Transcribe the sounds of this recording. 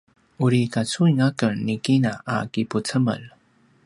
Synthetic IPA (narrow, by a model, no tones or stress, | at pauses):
uɾikat͡suiŋakənikinaʔa̰kiput͡səmə̰l